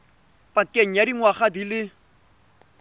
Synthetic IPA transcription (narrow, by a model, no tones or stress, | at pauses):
pʼakʼeŋ̩adiŋwaχadilɪ